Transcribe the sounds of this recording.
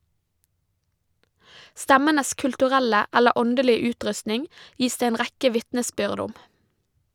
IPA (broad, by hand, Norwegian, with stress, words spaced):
ˈstæmənəs kʉltʉˈʁɛlə ˈælə ˈɔndəlɪə ˈʉːˌtɾʉstnɪŋ ˈjiːs ˈdeː ˈeːn ˈʁækə ˈʋɪtnəˌsbʏʁd ˈʊm